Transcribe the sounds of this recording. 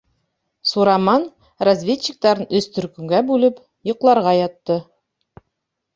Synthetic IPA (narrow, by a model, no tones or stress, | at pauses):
suɾɑmɑn | razvʲetɕɪk̚t̪ɑɾɤnɵst̪ɵ̆ɾkɵ̆ŋɡæbʉlɘp | jŏqlˠɑɾʁɑjɑt̪ːɤ